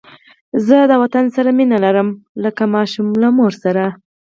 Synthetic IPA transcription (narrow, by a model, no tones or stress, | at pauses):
zəd̪əwat̪ansaɾaminalaɾəmləkamɑʃumlamoɾsaɾa